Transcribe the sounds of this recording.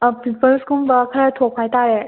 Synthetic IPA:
pipəlskumbakʰəɾatʰok̚pʰajtaɾe

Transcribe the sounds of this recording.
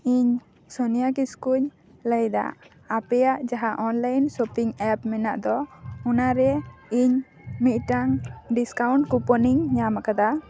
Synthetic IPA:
iɲ | sɔnijakiskuɲ | ləjd̪a̰ʔː | pɛjaʔd͡ʒaɦaʔɔnlajnsɔpiŋɛpmɛnaʔd̪ɔɔnaɾɛiɲ | mit̪̚ʈaŋɖiskawɳʈkupɔniŋɲamakad̪a

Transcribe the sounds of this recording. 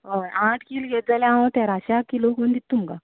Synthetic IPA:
ɦajãʈʰkiːlɡʱet̪̚d͡zaljãʋət̪aɾaɕakːilokənd̪it̪ːumka

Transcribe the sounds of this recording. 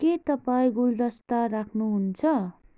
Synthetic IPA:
ket̪ʌpaĩɡuld̪ʌst̪aɾakʰnuɦunt͡sʰʌ

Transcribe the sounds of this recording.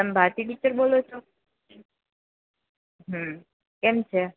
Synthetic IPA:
əmbʱaɾt̪iʈit͡ʃəɾbolot͡ʃʰo | ɦə | kemt͡ʃʰe

